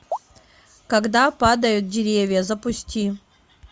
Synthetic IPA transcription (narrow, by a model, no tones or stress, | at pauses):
kɐɡd̪apad̪ɐjʊt̪̚dʲɪɾʲevʲjɐzɐpʊsʲtʲi